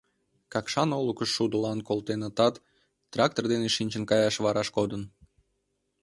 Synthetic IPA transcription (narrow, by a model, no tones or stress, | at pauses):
kɑkʃɑnolukəʃːud̪əlɑnkolt̪enɑt̪ɑt̪ː | rɑk̚t̪ord̪eneʃinʲt͡ɕənkɑjɑʃβɑɾɑʃkod̪ən